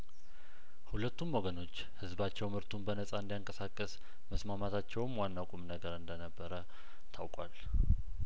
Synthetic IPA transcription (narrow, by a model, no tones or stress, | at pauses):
hulət̪ʰːumwɔɡəno̞t͡ʃː | hɨzbat͡ʃːɛwmhɨɾt̪ʰumbənəsʼaɨnd̪ijaŋkʼəsakʼːəs | məsmamat̪ʰat͡ʃːɛwmwanːawkʷʼumnəɡəɾɨnd̪ənəbːəɾə | t̪ʰawkʼwal